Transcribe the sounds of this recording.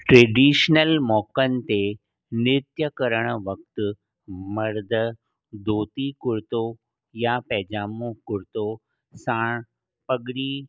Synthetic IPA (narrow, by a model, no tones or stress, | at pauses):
ʈɾeːɖiːʃnəlmɔːkən̆t̪e | nɪt̪jəkəɾəɽ̃ʋək̚t̪ | mɐɾd̪ʱə | d̪ʱoːt̪ikʊɾt̪o | japɛːd͡ʒaːmokʊɾt̪o | sãːɳ̃ | pəɡɽiː